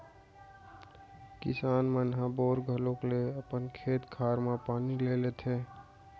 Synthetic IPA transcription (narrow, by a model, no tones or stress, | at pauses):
kḭsaːnmənɦaboɾɡʱəlokleəpənkʰeːt̪kʰaɾmepanilelet̪ʰe